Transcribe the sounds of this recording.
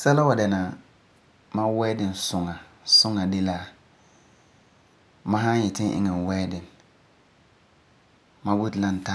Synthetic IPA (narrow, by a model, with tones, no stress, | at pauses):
sɛ˦la˦wa˨dɛ˨na˨ | ma˦wɛː˦dɪ˨nsʊ˨ŋa˨ | sʊ˦ŋa˨dɪ˦la˦ | mã˦ɦã˦jɛ˨tɪ˦nʔɪ̰˦ŋɛ˨wɛː˦dɪ˨n | ma˦wu˦tla˦n˨ta˦